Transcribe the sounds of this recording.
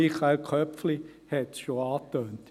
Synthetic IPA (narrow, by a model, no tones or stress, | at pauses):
iχaɪlkʰœpfli | hɛt̪ʃoɑːtøːnt